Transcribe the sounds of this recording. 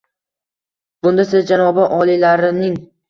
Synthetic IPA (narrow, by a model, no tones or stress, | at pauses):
b̥ʊnd̪asɪzd͡ʒanɒbaʔɒlˠilaɾɪnɪŋ